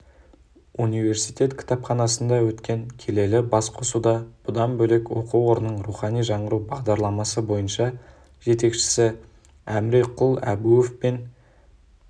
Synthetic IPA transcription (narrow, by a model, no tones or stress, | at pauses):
unijve̞ɾsijt̪e̞t̪kʲʰɪ̥t̪ɑpχɑnɑsənd̪ɑwɵt̪kʲʰe̞ŋkʲʰe̞le̞lɪbɑsqʰosud̪ɑb̥ʊd̪ɑnbɵlekwo̞̰quwo̞ɾənəɴɾuχɑnijʒɑɴəɾuwbɑʁd̪ɑɾlˠɑmɑsəbo̞jənʃɑ | ʒ̥e̞t̪e̞kʃɪ̥sɪ | æmɾeqʰʊlˠæ̰bujefpen